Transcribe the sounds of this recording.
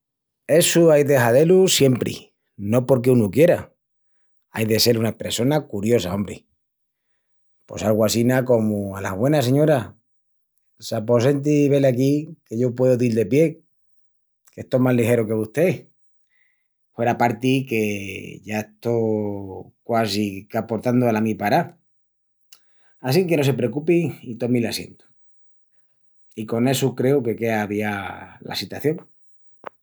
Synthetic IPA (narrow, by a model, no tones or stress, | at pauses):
e̞suajðeɦaðe̞lusje̞mpɾḭ | no̞po̞ɾkeunukje̞ɾa | ajðe̞se̞lunapɾeso̞nakuɾjo̞saõ̞mbɾḛ | po̞̰salɣwasinako̞muala̰βwe̞nas̬e̞ɲo̞ɾa | sap̬o̞se̞nt̪̬iːβe̞leakike̞ʝo̞pwe̞ðoðild̪e̞pje̞ | ket̪omalixe̞ɾokeβuht̪e̞ | fwe̞ɾapaɾt̪ike̞ʝaeht̪o | kwasikapo̞ɾt̪and̪oalamĩpaɾa | asiŋke̞no̞s̬e̞pɾekupiit̪o̞milasje̞̰nt̪u̥ | iko̞ne̞sukɾe̞uke̞ke̞aβiala̰sit̪waθjo̞ŋ